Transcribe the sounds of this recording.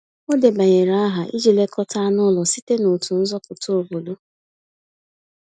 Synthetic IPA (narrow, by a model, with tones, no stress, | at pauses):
o˦de˨ba˨ɲe˨ɾa˨˦a˦ɦa˨ʔi˦d͡ʒi˨le˦kʰɔ˦ta˦nʊ˦lɔ˨si˦te˦no˨tu˨n̩˦zɔ˦pʊ˨to˨bo˨do˦